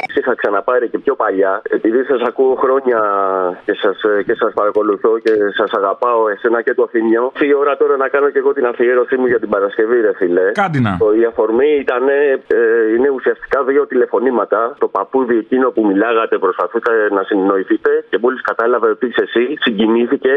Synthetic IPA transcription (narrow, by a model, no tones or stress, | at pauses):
sixɐksɐnɐpɐɾece̞pço̞pɐʎɐe̞piðisɐsɐkuoxɾo̞ɲɐce̞sɐsce̞sɐspɐɾɐko̞luθo̞ce̞sɐsɐɣɐpɐo̞e̞se̞nɐce̞t̪oɐθinioft̪iːo̞ɾɐt̪o̞ɾɐnɐkɐno̞ce̞ɣo̞t̪inɐfieɾo̞simuʝɐt̪ibɐɾɐsce̞viðe̞file̞kɐd̪inɐiɐfo̞ɾmiit̪ɐne̞ | ine̞usiɐst̪i̥kɐðio̞t̪ile̞fo̞nimɐt̪ɐt̪o̞pɐpuðie̞cino̞pumilɐɣɐt̪e̞pɾo̞spɐθukɐenɐsinno̞iθit̪e̞ce̞moliskɐt̪ɐlɐveot̪ise̞sisiɲɟiniθice̞